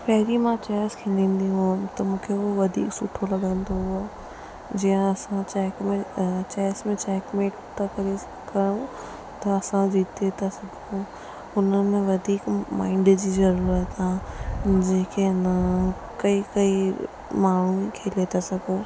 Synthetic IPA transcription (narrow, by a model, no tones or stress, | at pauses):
pɐɦɪɾimãt͡ɕaːɪskʰẽːnd̪ʱĩːn̆d̪iɦũmt̪ɐmũːkʰeoʋɐd̪ʱḭːksʊʈʰolɐɠə̃nd̪oɦʊa | d͡ʑiːə̃ɐsãt͡ɕɛːkmẽt͡ɕaːsmẽt͡ɕɛːkmeːʈt̪akɐɾe | kɐɾɽõ | t̪ɐɐsãd͡ʑiːt̪et̪ʰasɐɡʱõ | ʊnəmẽʋɐd̪ʱiːkma̰ːɪ̃ɳɖd͡ʑiːzɐɾuːɾət̪ãːd͡ʑeːkenɐ | kɐikɐi | maːɳ̤ũkʰeːlet̪ʰasɐɡʱoː